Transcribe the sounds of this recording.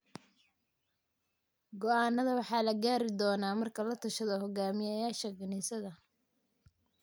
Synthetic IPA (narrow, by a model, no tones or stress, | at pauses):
ɡɔʔaːnːɐðɐwɑħɑːlɐɡaːɾɪd̪ɔːnaːmɐrkʰɐlɐt̪ʰɐʃɐðɐhɔɡaːmɪjɐjaːʃɐɡɪnɛːsɐðɐ